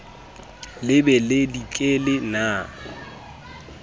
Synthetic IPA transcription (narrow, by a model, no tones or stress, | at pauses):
lɪbɛlɪdikʼelɪna